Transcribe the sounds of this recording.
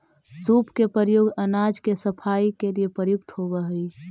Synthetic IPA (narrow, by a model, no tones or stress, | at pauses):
suːpkepəɾjoːɡənaːd͡ʒkesəpʰaːikeliepəɾjʊkt̪ɦobəɦʊi